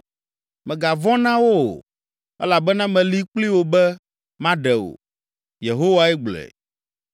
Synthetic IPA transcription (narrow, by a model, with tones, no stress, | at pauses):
mɛ̃˨ɡa˨vɔ̃˦nã˦wo̰˦˨ | ɛ̰˦la˨bɛ˦nã˦mɛ̃˨li˦k͡pli˦wo˦bɛ˦ | mã˦ɖɛ˨wo̰˨ | je˨ɦo˦wa˦ɛ˦ɡ͡blɛ̰˨